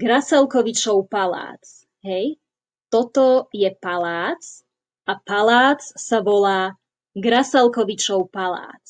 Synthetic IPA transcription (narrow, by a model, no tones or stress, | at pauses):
ɡɾasɛlˠkɔʋit͡ʃɔʊpala̰ːt͡s | ɦɛj | t̪ɔt̪ɔjɛpalaːt͡s | ʔapalaːt͡ssaʋɔlaː | ɡɾasɛlkɔʋit͡ʃɔʊpala̰ːt͡s